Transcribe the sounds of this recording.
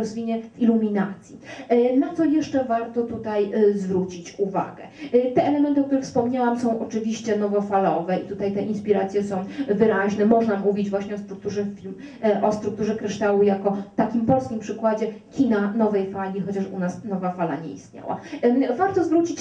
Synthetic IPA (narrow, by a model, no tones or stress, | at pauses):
ɔzvʲiɲɛvilumʲina̰t̪sʲjinat̪ɔjɛʂt͡ʂɛvaɾt̪ɔt̪ut̪ajzvɾut͡ɕit͡ɕuva̰ɡɛ̰t̪ɛʔɛlɛmɛnt̪ɨɔk̚t̪uɾɘxfspɔmɲawamsɔ̃w̃ʔɔt͡ʂɘvʲiɕt͡ɕɛnɔvɔfalɔvɛit̪ut̪ajt̪ɛʔinspʲiɾat̪sʲjɛsɔ̃w̃vɘɾaʑnɛmɔʐnamuvʲid͡ʑvwaɕɲɛɔst̪ɾuk̚t̪uʐɛfʲilm | ʔɔst̪ɾukt̪uʐɛkɾɘʂt̪awujakɔt̪akʲimpɔlskʲimpʂɘkwad͡ʑɛkʲinanɔvɛjfalʲixɔt͡ɕaʂṵnasnɔvafala̰ɲɛ̰ḭst̪ɲa̰wa̰vaɾt̪ɔzvɾut͡ɕit͡ɕ